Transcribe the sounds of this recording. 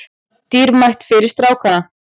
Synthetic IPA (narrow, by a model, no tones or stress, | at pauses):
t̪iːɾmajht̪fɪɾɪɾst̪ɾaːwkana